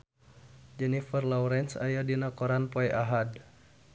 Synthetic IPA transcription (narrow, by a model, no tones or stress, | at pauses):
d͡ʒɛnifərlɔwɾɛnsa̰jadinakɔɾanpɔɛʔaɦad